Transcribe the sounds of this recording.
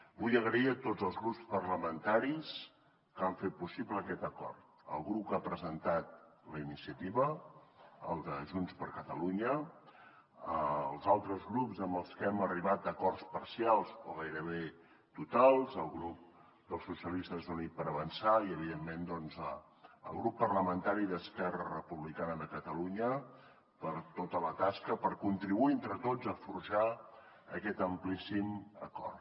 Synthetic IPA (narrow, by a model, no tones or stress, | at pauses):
bujəɣɾəiət̪odzəlˠzɣɾupspərləmənt̪aɾis | kaɱfet̪̚pusibləːkɛt̪əkɔ̰rt̪̚ | ə̰lˠɣɾupkapɾəzənt̪at̪̚ləinisiət̪iβə | ə̰lˠd̪əʒunspəɾkət̪əluɲə | əlˠzalˠt̪ɾəzɣɾupzəmbəlˠskɛməriβat̪̚əkɔrspərsialˠsoɣajɾəβe | t̪ut̪alˠzəlˠɣɾup̚ | d̪əlˠsusiəlist̪əzunit̪̚pəɾəβənsaiəβiðemːend̪ɔnzə | ə̰lˠɣɾupːərləmənt̪aɾiðəskɛrərəpuβlikanəðəkət̪əluɲə | pəɾt̪ot̪ələt̪askəpəɾkunt̪ɾiβuient̪ɾət̪ozəfuɾʒa | əkɛt̪əmplisimə̰kɔ̰rt̪